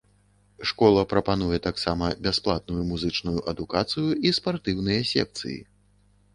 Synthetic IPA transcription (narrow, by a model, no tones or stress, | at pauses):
ʂkɔlˠɐpɾɐpan̪ujɛt̪aksamɐbʲasplˠat̪̚nujumuzɨt͡ʂnujuʔɐd̪ukat̪sɨjuispart̪ɨwnɨjɐsʲɛ̰k̚t̪sɨ̰jḭ